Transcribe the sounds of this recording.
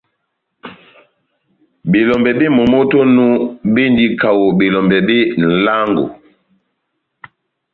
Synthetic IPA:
bi˨lɔ˨mbɛ˨bi˦mɔ˨mo˦to˦nu˦bi˦ndi˦ka˨wo˨bi˨lɔ˨mbɛ˨bi˦n̩˨la˦ŋɡo̰˨

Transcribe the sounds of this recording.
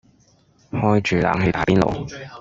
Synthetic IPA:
hɔː˥jt͡ʃyː˨la̰ː˨˧ŋɦe˧jt̪aː˨˥piː˥nlo̰˨˩w

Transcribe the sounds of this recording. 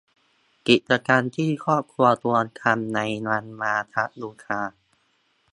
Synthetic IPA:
ki˨˩t̪̚t͡ɕa˧kaː˧nt̪ʰiː˥˩kʰɔː˥˩p̚kʰɾu˧ɐt̪u˧ə˧t̪ʰa˧mna˧jna˧nmaː˧t̪ʰa˦˥t̚luː˧˩kʰaː˧

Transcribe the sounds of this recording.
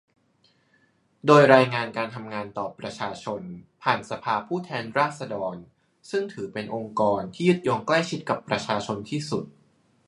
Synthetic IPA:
doː˧jɾaː˧jŋaː˧nkaː˧nt̪ʰa˧mŋaː˧nt̪ɔː˨˩pɾa˧t͡ɕʰaː˧t͡ɕʰo˧npʰaː˨˩nsa˧pʰaː˧pʰuː˥˩t̪ʰɛː˧nɾaː˥˩t̪̚sa˧dɔː˧n | sɯ˥˩ŋt̪ʰɯː˩˦pe˧nʔo˧ŋkɔː˧nt̪ʰiː˥˩ju˦˥t̪̚jo˧ŋkla˥˩jt͡ɕʰi˦˥t̪̚ka˨˩pːɾa˧t͡ɕʰaː˧t͡ɕʰo˧nt̪ʰiː˥˩su˨˩t̪̚

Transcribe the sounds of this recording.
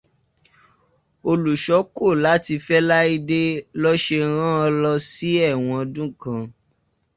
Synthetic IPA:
o˧lu˨ʃɔ˨˦ko˦˨la˨˦ti˧fɛ˦la˦i˦˧de˦lɔ˦ʃe˧ɾ̃ã˦ɔ˧lɔ˧si˦ɛ˦˨w̃ɔ̃˧ɔ˧dũ˦kã˧

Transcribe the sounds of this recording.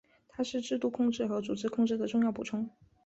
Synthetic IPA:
t̪ʰa˥ʂɻ̩˥˧ʈ͡ʂɻ̩˥˧t̪u˥˧kʰʊ˥˧ŋʈ͡ʂɻ̩˥˩xɤ˧˥t͡su˨˩ʈ͡ʂɻ̩˥˧kʰʊ˥˧ŋʈ͡ʂɻ̩˥˩d̪ə˩ʈ͡ʂʊ˥˧ŋjɑ˥˩ʊpṵ˨˩ʈ͡ʂʰʊ˥ŋ

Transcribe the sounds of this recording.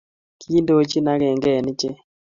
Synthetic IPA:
kʰi˦ndo˦t͡ʃi˦na˦ɡɛ˨ŋɡɛ˦˨n˦t͡ʃe˦

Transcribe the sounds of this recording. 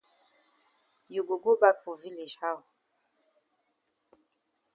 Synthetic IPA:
ju˨ɡu˨ɡu˦ba˦fu˨vi˦li˨ʃha˦˨

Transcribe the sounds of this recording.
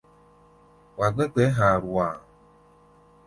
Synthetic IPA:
wa˨ɡ͡bɛ˦k͡pɛ˨˦ɦa˨ɾu˨wa˨

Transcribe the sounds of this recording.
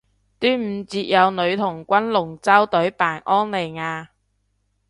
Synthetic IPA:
t̪yː˥nm̩ː˨˧t͡siː˧t̚jɐ˨˧wnɵ˨˧ɥt̪ʰʊ˨˩ŋkʷɐ˥nlʊ˨˩ŋt͡sɐ˥wt̪ɵ˨˥ɥpaː˨˩nʔɔː˥nle˨˩jŋaː˨˧

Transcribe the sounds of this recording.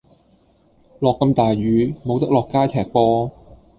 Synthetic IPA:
lɔː˨kːɐ˧mt̪aː˨˩jɥyː˨˧mo˨˧wt̪ɐ˥k̚lɔː˨kːaː˥t̪ʰɛː˨˩k̚pɔː˥

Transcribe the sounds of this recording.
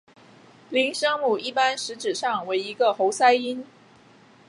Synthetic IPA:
li˧˥nʂɤ˥ŋmu˨˩i˥˩pa˥nʂɻ̩˧˥ʈ͡ʂɻ̩˨˩ʂɑ˥˩ŋwe˧˥ɪi˧˥ɡə˧xo˧˥ʊsa˥ɪi˥n

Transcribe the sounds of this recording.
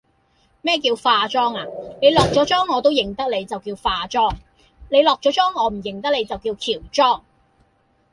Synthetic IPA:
mɛː˥˩k̬iː˧wfaː˧t͡sɔː˥ŋaː˨ne˨˧jlɔː˨k̚t͡sɔː˨˥t͡sɔː˥ŋːɔː˨˧t̪̬o˥wjɪ˨˩ŋt̪ɐ˥k̚le˨˧jt͡sɐ˨wkiː˧wfaː˧t͡sɔː˥˩ŋ | ne˨˧jlɔː˨k̚t͡sɔː˨˥t͡sɔː˥ŋɔː˨˧m̩˨˩jɪ˨ŋt̪ɐ˥k̚le˨˧jt͡sɐ˨wkiː˧wk̪ʰiː˨˩wt͡sɔː˥˩ŋ

